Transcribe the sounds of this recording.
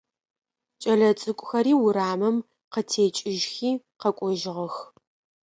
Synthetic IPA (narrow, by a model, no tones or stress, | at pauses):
t͡ʃʼɐɮɐt͡sʼɨkʷʼʊxɐɾiːwʊɾaːmɐm | qətʰeːt͡ʃʼɪʒxiː | qɐkʷʼɔʒɪʁɐx